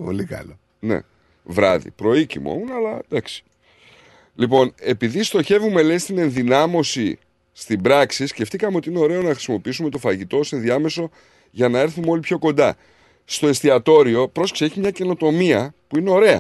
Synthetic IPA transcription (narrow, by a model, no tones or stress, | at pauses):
po̰likɐ̰lo | nḛ | vɾɐ̰ðḭpɾo̞icḭmo̰munɐlɐd̪ɐksi̥ | lipo̞ne̞piðist̪o̞çe̞vume̞le̞st̪ine̞nðinɐmo̞si | st̪ibɾɐksisce̞ft̪ikɐme̞o̞t̪iine̞o̞ɾe̞onɐxɾi̥simo̞piisume̞t̪ofɐʝit̪o̞sinðiɐme̞so̞ | ʝɐnɐe̞ɾθumeo̞lipço̞ko̞nd̪ɐ | st̪o̞e̞st̪iɐt̪o̞ɾio̞pɾo̞sksie̞çimɲɐce̞no̞t̪o̞miɐpuine̞o̞ɾe̞ɐ̰